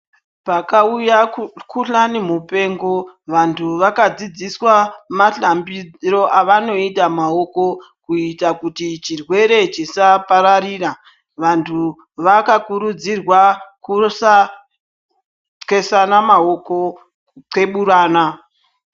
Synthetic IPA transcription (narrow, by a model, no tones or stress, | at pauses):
pakaujakʰuɬanimupe̞ːŋɡo̞ʋantʰuʋakad͡zid͡ziswamaɬambiro̞ʔaʋano̞itamao̞ko̞ | kuitakutit͡ʃirwe̞ɾe̞t͡ʃisapaɾariːra | ʋantʰu | ʋakakuɾud͡zirwakusa | t͡ske̞sanamao̞ko̞ | ǀe̞ɓuɾaːna